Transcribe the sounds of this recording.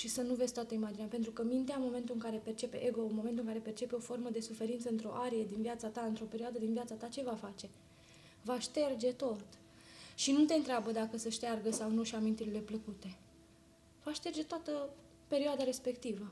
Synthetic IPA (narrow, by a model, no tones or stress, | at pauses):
ʃisənuvez̥ʲt̪wat̪əimad͡ʒineapent̪ɾukəmint̪eamo̞me̞nt̪uɨŋkaɾe̞pe̞rt͡ʃe̞pe̞ʔeɡo̞mo̞ment̪uɨŋkaɾe̞pe̞rt͡ʃe̞pe̞o̞fo̞rməd̪e̞sufe̞ɾint̪səɨnt̪ɾo̞̰ʔaɾije̞d̪inviat̪sat̪aɨnt̪ɾo̞peɾioad̪əd̪inviat̪sat̪at͡ʃe̞vafat͡ʃe̞ | vaʃt̪e̞rd͡ʒe̞t̪o̞t̪ | ʃinut̪e̞ɨnt̪ɾeabəd̪akəsəʃt̪earɡəsawnuʃiamint̪iɾile̞pləkut̪e̞ | vaʃt̪e̞rd͡ʒet̪oat̪ə | pe̞ɾioad̪aɾe̞spe̞kt̪ivə